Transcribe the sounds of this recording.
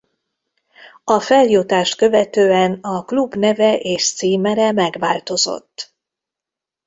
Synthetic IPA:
ɒfɛljot̪aːʃt̪kø̞vɛt̪øːɛnɒklubnɛvɛʔeːʃt̪siːmɛɾɛmɛɡʋaːlt̪o̞zo̰t̪ː

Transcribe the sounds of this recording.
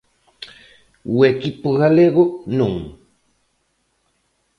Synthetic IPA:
wekipʊɣaleɣonʊŋ

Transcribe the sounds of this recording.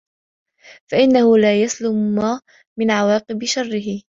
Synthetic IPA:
faʔɪnːahʊlaːjaslʊmːaː | mɪnʕawɑːqɨbʃɑrˤːɪɦɪ

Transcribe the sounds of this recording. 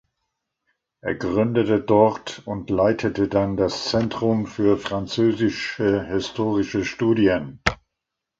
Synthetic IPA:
ʔeːɐɡʁʏndətədɔɐtʊntlaɪtʰətədandast͡sɛntʁ̥ʊmfyːɐfʁ̥ant͡søːzɪʃəhɪstʰoːʁɪʃəʃtuːdiən

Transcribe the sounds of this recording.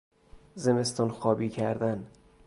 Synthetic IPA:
ze̞me̞st̪ɒːnxɒːbiːcʰæɾd̪æn

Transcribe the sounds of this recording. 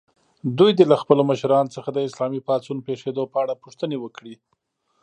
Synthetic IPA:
d̪ujd̪elaxpəloməʃɾɑnot͡səxad̪əɪslɑmipɑt͡sunpeʂed̪opəaɽapuʂt̪ənewəkɽi

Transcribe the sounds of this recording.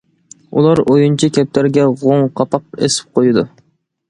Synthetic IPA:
ṵlˠɑɾojunt͡ʃʰikʲɛp̚t̪æɾɡʲɛʁoŋqʰɑpɑq̚esɪ̥p̚qʰojɨd̪u

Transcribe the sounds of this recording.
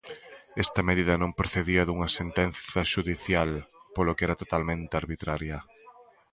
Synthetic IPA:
ɛst̪ɐmeðiðɐnõŋpɾoθeðiɐðuŋɐsent̪ɛnθɐʃuðiθjalpolokeɛɾɐt̪ot̪almẽnt̪eaɾβit̪ɾaɾjɐ

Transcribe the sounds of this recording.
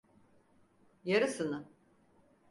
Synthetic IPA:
jaɾɯsɯnɯ

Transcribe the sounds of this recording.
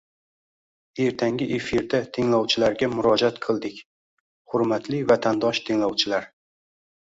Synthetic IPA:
e̞ɾt̪ʰaŋɡʲɪʔefiɾd̪at̪ʰɪŋlɒwt͡ʃʰɪlaɾɡʲamʊɾɒd͡ʒat̪qʰɨlˠd̪ɪkʲ | hʊɾmat̪ʰlɪvat̪ʰand̪ɒʃt̪ʰɪŋlɒwt͡ʃʰɪlaɾ

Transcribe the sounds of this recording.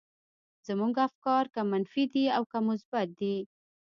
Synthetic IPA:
z̥amuŋɡafkɑɾkamanfid̪iawkamʊsbat̪̚d̪i

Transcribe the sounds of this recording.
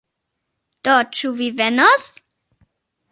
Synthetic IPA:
d̥ɔt͡ʃuvivɛnɔs

